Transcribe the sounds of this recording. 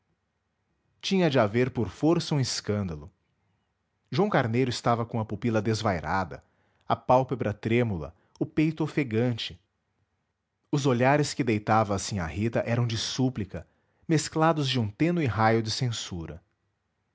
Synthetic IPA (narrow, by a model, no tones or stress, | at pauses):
t͡ʃĩɲɐd͡ʒɪaveɾpoɾfoɾsɐũɪskɐ̃nd̪ɐlʊ | ʒuɐ̃w̃kaɾnejɾʊɪst̪avɐkõɐpupilɐd̪ezvajɾad̪ɐ̰ | ɐpawpebɾɐt̪ɾẽmulɐ̰ | ʊpejt̪ʊfeɡɐ̃nt͡ʃɪ̥ | ʊzoʎaɾɪskɪd̪ejt̪avɐːsĩa̰hit̪ɐʔɛɾɐ̃w̃d͡ʒɪsuplikɐ | mesklad̪ʊzd͡ʒɪũt̪ẽnʊɪɦajʊd͡ʒɪsẽsuɾɐ̰